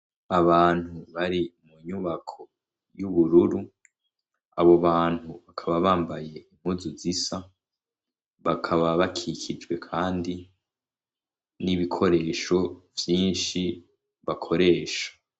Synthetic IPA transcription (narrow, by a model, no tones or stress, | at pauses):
aβaːn̥huβaɾimuɲuβakʰo̞ | juβuɾuɾu | a̰βo̞βaːn̥huβakʰaβaβaːmbaje̞im̥huzuzisa | βakʰaβaβakʰikʰid͡ʒɡwe̞kʰaːndi | niβikʰo̞ɾe̞ːʃo̞vjiːnʃi | βakʰo̞ɾe̞ːʃḁ